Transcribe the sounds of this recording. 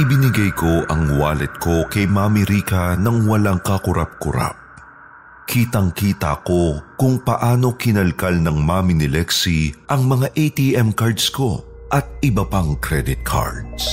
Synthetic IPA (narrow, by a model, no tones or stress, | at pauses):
ʔɪbɪnɪɡɐjko̞ʔɐŋwaːlɛt̪̚ko̞kɐjmamɪɾiːkɐnɐŋwɐlaŋkɐkʊɾʔa̰p̚kʊ̰ɾa̰p̚ | kʰiːt̪ɐŋkiːt̪ɐ̰ʔɐko̞kʊŋpɐʔaːno̞kɪnɐlkalnɐŋmamɪnɪlɛksiʔɐŋmɐŋaʔejt̪iʔɛmkaɹd̪sko̞ | ʔɐt̪̚ʔɪbɐpaŋkɾɛd̪ɪt̪̚kʰa̰ɹd̪s